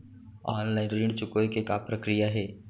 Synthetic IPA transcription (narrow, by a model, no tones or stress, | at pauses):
ɔːnlaɪnɾiɳɖt͡ʃʊkoekekapɾəkɾijaɦɛː